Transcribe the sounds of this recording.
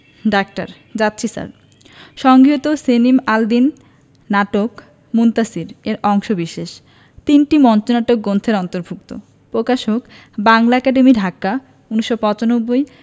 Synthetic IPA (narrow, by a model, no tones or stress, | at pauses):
ɖak̚ʈa̰ɾ | d͡ʑat̪ːɕʰisa̰ɾ | ʃɔŋɡʱiɦot̪osenimald̪inː | aʈok | munt̪asiɾeɾɔŋʃobiʃeʃ | t̪inʈimɔnt͡ɕonaʈok̚ɡont̪ʰeɾɔnt̪oɾbʱuk̚t̪o̰ | pɾokaʃok | baŋlaɛkaɖemiɖʱaka | uniʃːopɔt͡ɕanobːoj